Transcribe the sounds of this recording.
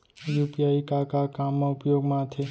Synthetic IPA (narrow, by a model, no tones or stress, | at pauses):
jupiaikakakamːãʊpjoɡmãt̪ʰe